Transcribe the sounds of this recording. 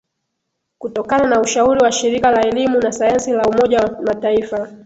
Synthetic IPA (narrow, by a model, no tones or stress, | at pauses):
kutɔkananauʃauɾiwaʃiɾikalaɛlimunasajansilaumɔʄamataifa